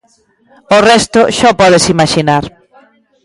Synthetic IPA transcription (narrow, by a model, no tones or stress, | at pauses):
ʊrɛst̪ʊʃɔpɔðɪsimaʃinaɾ